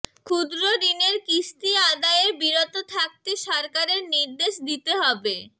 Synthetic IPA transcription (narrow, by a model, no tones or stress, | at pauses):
kʰud̪ɾoɾineɾkist̪iad̪aeɾbiɾot̪ot̪ʰak̚t̪eʃɔɾkaɾeɾniɾd̪eʃd̪it̪eɦɔbe